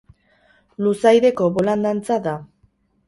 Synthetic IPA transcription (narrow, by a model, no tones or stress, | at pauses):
lusajðe̞ko̞βoland̪ant͡saða